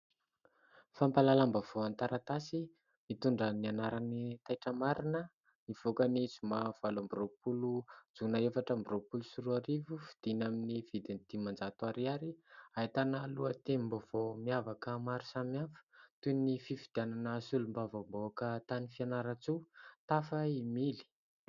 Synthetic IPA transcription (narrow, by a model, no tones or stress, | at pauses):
fampalalambav̥oant̪aɾat̪asi | mit̪uɳɖ͡ʐənianaɾanit̪ajʈ͡ʂəmaɾinə | niv̥okəniz̥umav̥alambiropulud͡zunaefaʈ͡ʂambiropulusuɾuaɾivufid̪̥inaminivid̪ind̪̥imand͡zat̪uaɾiaɾiait̪analuət̪embovomiavakəmaɾusamiafə̥t̪unififid̪̥iananəsulumbavamboakət̪anifianaɾat͡sut̪afəimili̥